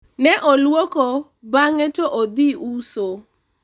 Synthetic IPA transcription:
nɛʔolwoko | baŋɛtoʔod̪iʔuso

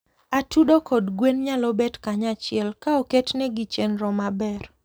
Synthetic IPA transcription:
atudokɔdɡwenɲalɔbɛtkaɲat͡ʃɪɛlkaoketnɛɡit͡ʃenɾɔmabɛr

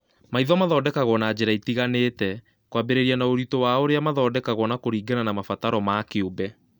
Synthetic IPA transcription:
maiðɔmaðɔːdɛkaɣɔnad͡ʑeɾaitiɣaneːtɛ | kwabeɾeɾianaoɾitowaoɾeamaðɔːdɛkaɣɔnakoɾiːɡenanamafataɾɔmaːkeobɛ

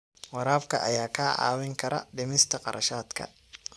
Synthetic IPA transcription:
wɑɾaːbkʰɐ̰ʔɐjaːkʰaːʕɑ̰ːwɪŋkʰɐɾɐ̰ɖɪmɪst̪ʰɐqɑ̰ɾʔɐ̰ʃaːd̪kʰɐ̰

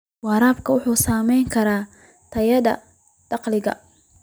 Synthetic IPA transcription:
wɑːɾaːbkʰɐwʊħuːsaːmɛjŋkʰɐɾaː | t̪ʰɐjɐd̪ɐ̰ | d̪̥ɑqlɪɣɐ̰

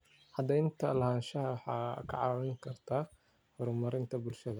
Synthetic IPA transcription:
ħɑd̪ɛɪnt̪ʰɐlɐɦaːnʃɐɦɐwɑħɑ̰ːkʰɐ̰ʕɑwɪŋkʰɐrt̪ʰaː | hɔɾʊmɐɾɪnt̪ʰɐbʊlʃɐðɐ

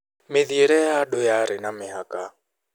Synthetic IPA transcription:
mɪðiɛɾɛjaɗɔjaɾɪnamɪɦakʼa

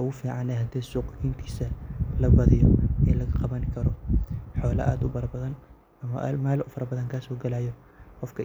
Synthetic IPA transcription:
ʊɣʊfiːʕɑnɛɦɐd̪ɛːsuːqint̪ʰi̥ːsɐlɐbɐðɪjɔɛːlɐɣɐqɑβɐŋkʰɐɾɔħɔːlɐ̰ʔa̰ːd̪ʊbɐɾɐbɐðɐn | ɐmɐʔlmaːlʔʊfɐɾɐbɐðɐŋkʰaːsɔːɡɐlaːjɔ | qɔfkʰɐ

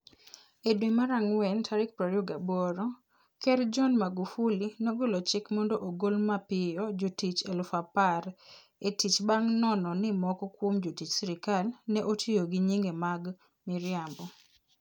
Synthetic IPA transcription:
edwimaɾaŋwɛntʰaɾɪk̚pɾaɾjoɡabɔɾɔ | kɛɾd͡ʒɔnmaɡufulinɔɡolɔt͡ʃɪkmɔndoʔoɡolmapɪjɔd͡ʒotit͡ʃelʊfapaɾ | etit͡ʃbaŋnɔnɔnɪmɔkɔkwomd͡ʒotit͡ʃsiɾɪkalnɛʔotʰijoɡiɲiŋɡemaɡ | mɪɾjambɔ

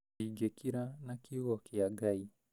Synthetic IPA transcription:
iɡɛkʰiɾanakiɣɔkiaɠai

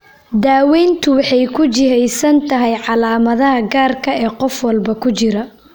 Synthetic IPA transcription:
d̪aːwɛːnt̪ʰʊwɑħɑjkʰʊt͡ʃɪɦɛjsɐnt̪ʰɐɦɛjʕɑlaːmɐðɐɦɐɡaːrkʰɐɛːqɔfwɐlbɐkʰʊt͡ʃɪɾɐ

